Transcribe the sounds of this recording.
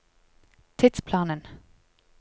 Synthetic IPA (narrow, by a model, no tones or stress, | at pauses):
t̪ʰɪt̪spʰlɑːnən